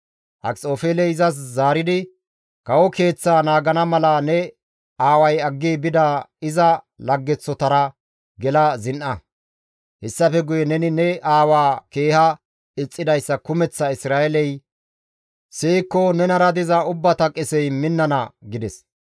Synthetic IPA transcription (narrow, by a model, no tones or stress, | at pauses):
hɐ̰kt͡sʼo̞ːfeːlɛɪzɐs̬zaːɾɪd̪ɪ | kɐwɔke̞ːt͡sːaːnaːɡɐnɐmɐlɐnɛ | aːwɐjɐɡːiːbɪd̪aɪzɐ | lɐɡːɛt͡sːɔt̪ɐɾɐ | ɡɛlɐzɪnʔɐ | hɛsːɐfɛɡʊjɛnɛnɪnɛaːwaːke̞ːhɐ | ɪt͡sʼːɪd̪ɐjsːɐkʊmɛt͡sːɐɪsɾaːɛlɛj | seːkːɔnɛnɐɾɐd̪ɪzɐʊbːɐt̪ɐkʼɪsɛjmɪnːɐnɐɡɪd̪ɛs